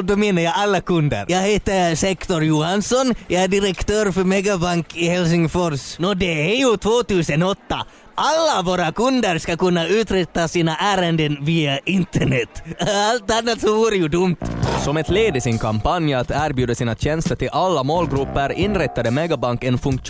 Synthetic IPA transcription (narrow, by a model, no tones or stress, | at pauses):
d̪ɔmenːəɾjaalːakʰɵnd̪ə̰ɾjɑːɡheːt̪əsɛkt̪ɔɾjuːhansɔnjɑːæɖɪɾɛkt̪ʰøːɾfœɾmɛɡabaŋkɪhɛls̬ɪŋfɔɾʂnɔd̪ɛæɾjɵt̪ʰvoːt̪ʉːsənɔt̪ːa | ʔalːavoːɾakɵnd̪əɾskakɵnːaʉːt̪ɾɛt̪ːasiːnaʔæːɾənd̪ənviːaʔɪnt̪əɳɛt̪ːalt̪anːat̪sɔvuːɾəjɵd̪ɵmt̪sɔmɛt̪leːd̪ɪsɪnkʰampʰanjat̪æːɾbjʉːd̪asiːnaɕɛnst̪əʈɪlʔalːamoːlɡɾɵpːəɾɪnɾɛt̪ːad̪əmɛɡabaŋkɛnfɵŋk